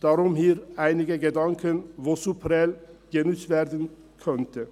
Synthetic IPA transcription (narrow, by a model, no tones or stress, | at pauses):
d̪̥aːɾʊmhiːɾʔaɪnɪɡəɡəd̪ɑŋkʰənvosupʰəɾɛlɡ̥ənʉt͡stveːɾd̪ən | kʰœnt̪ə